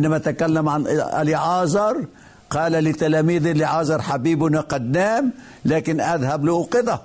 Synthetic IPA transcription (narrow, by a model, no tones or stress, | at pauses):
nːamat̪akalːamʕanʔa̰liʕɑːzˤɑɾˤ | qɑːlalɪt̪alaːmiːðʔɪliʕɑːzˤɑɾˤħabiːbʊnaqad̪naːm | laːkɪnʔaðhablɪʔuqɨðˤɑ